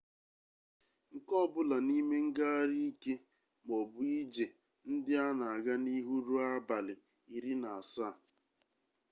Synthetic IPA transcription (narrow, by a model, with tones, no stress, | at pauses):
ŋ̩˨kɔ˦˨bʊ˦la˨ni˦me˦ŋ̩˦ɡa˦ɾi˦i˦ke˦ | m˨ɔ˨bʊ˦i˦d͡ʒe˨ | n̩˦dɪ˦a˦na˨a˨ɡa˦ni˦ɦu˦ɾu˦a˦ba˨lɪ˨ | i˨ɾi˦na˨a˨sa˦˨